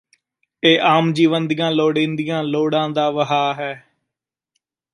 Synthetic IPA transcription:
eːʔaːmd͡ʒiːʋənd̪ijãːloːɽẽːnd̪ijãːloːɽãːd̪aːʋəɦaːɦɛː

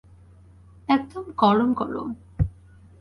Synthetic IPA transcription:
ɛkd̪omɡɔɾonkɔɾo̰

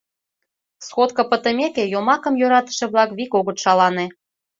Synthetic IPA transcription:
sxot̪kɤ̆pə̆t̪ə̆mʲekejomɑkə̆mjøɾɑt̪ə̥̆ʃĕβlɑkβikoɣə̆t̪ʃɑlɑnĕ

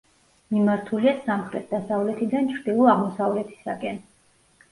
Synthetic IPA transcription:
mimaɾt̪ʰuliasamχɾɛt̪̚ʰd̪asavlɛt̪ʰid̪ant͡ʃʰɾd̪ilˠɔaʁmɔsavlɛt̪ʰi̥sakʼɛn

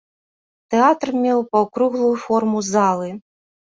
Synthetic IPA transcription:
t̪ɛat̪rmʲɛwpɐwkɾuɣlˠujufɔrmuzalˠɨ

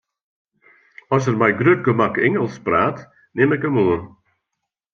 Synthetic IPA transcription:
ɔs̬ərmɛjɡrøt̚ɡəmakɪŋəlˠspraːt | nɪmɪkəmuən

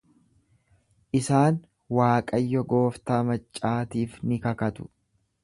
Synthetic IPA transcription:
ʔɪsaːn | waːkʼɐjːɔɡoːft̪aːmɐt͡ʃʼːaːt̪iːfnɪkɐkɐt̪ʊ̥

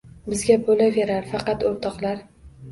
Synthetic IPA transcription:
bɪzɡʲabolave̞ɾaɾfɑqɑt̪oɾt̪ʰɒqlˠaɾ

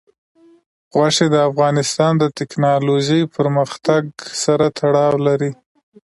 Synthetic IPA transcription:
ɣwaʂed̪əafɣɑnɪst̪ɑnd̪ət̪ɪknɑloʒəjpʰəɾməxt̪aɡsaɾat̪ʰaɽɑwlaɾi

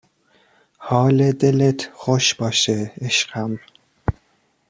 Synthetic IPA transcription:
hɒːled̪elet̪ʰxoʃb̥ɒːʃeeʃɢæm

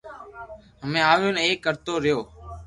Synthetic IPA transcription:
ɦəmẽːaːʋjoːneːkːəɾt̪oːɾɪjoː

